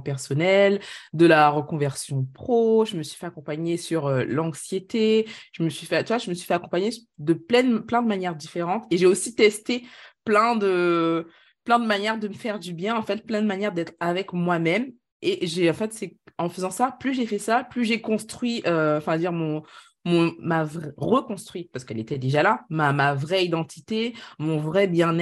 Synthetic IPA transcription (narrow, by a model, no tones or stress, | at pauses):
pɛʁsɔnɛld̪əlaʁəkɔ̃vɛʁsjɔ̃pχoʒəməsɥifɛakɔ̃paɲesyʁølɑ̃ksjet̪eʒ̥əməsɥifɛt̪yvwaʒəməsɥi̥fɛakɔ̃paɲed̪əplɛnplɛ̃d̪əmanjɛʁd̪ifeʁɑ̃t̪eʒeosit̪ɛst̪eplɛ̃d̪ə | plɛ̃d̪əmanjɛʁd̪əməfɛʁd̪ybjɛ̃ɑ̃fɛt̪̚plɛ̃nd̪əmanjɛʁd̪ɛt̪χavɛkmwamɛm | eʒeɑ̃fɛt̪sɛɑ̃fəzɑ̃saplyʒefɛsaplyʒekɔ̃st̪χɥiʔøɑ̃fɛ̃əd̪iʁmɔ̃ | mɔ̃mavʁɛʁəkɔ̃st̪χɥipaʁsə̥kɛlet̪ɛd̪eʒalamamavʁɛid̪ɑ̃t̪ʰi̥t̪emɔ̃vʁɛbjɛ̃nɛ